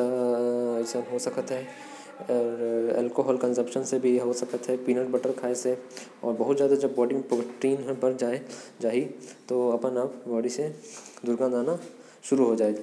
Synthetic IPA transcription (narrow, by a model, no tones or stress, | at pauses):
seɦosɐkət̪ɦɛː | ɾɛ̰ːlkoɦɔːlkə̃nsə̃mpʃənsebʱiɦosɐkət̪ɦɛpiːnəʈ̚bəʈəɾkʰaːese | ɔːɾbɐɦʊt̪zjaːd̪ad͡ʒɐbːɔːɖimpəʋəʈːiːnɦbɐɾd͡ʒaːed͡ʒaːɦit̪oɐpənəpbɔːɖised̪ʊɾɡãːd̪aːna | ʃʊɾuɦod͡ʒaːeɡ